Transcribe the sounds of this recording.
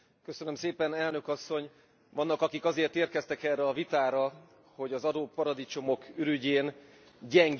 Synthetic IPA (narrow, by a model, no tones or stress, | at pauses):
køsønømseːpɛnɛlnøkɒsːo̞ɲ | vɒnːɒkɒkikɒzeːrt̪eːrkɛst̪ɛkɛrɛɒvit̪aːɾɒ | ho̞ɟɒzɒd̪oːpːɒɾɒd̪it͡ʃo̞mo̞kʰyɾyɟeːn | ɟɛŋɡ